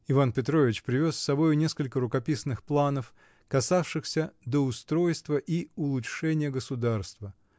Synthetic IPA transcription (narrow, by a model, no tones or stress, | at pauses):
ɪvanpʲɪt̪ɾo̞vʲɪt͡ɕpɾʲɪvʲo̞sʲːɐbo̞jʊnʲe̞skəlʲkəɾʊkɐpʲisnɨxplˠanəf | kɐsafʂɨxsʲəd̪əʊst̪ɾo̞jst̪vəʔiʊlˠʊʂɛnʲɪjəɡəsʊd̪arst̪və